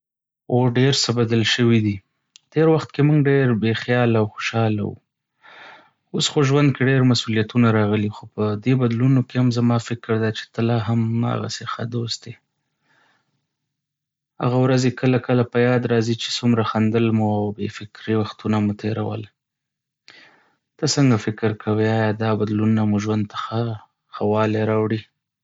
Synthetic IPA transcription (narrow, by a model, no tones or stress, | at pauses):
oɖeɾsəbad̪əlʃəwid̪i | t̪eɾwaxt̪kemuŋɡɖeɾbexjɑlawxoʃɑla̰wṵ | osxoʒwand̪̚keɖeɾmasulijat̪unaɾɑɣəlixopəd̪ebad̪lunokehamzamɑfɪkɾd̪at͡ʃe̥t̪əlaɦama̰ɣa̰sexa̰d̪ost̪̚d̪e | ha̰ɣawɾazekəlakəlapəjɑd̪ɾɑzit͡ʃe̥sumɾaxand̪əlmuawbefɪkɾiwaxt̪unamut̪ʰeɾa̰wə̰l | t̪asəŋɡafɪkɾkʰawiɑjɑd̪ɑbad̪lunnamuʒwand̪̚t̪ḁxa | xawɑleɾɑwɽi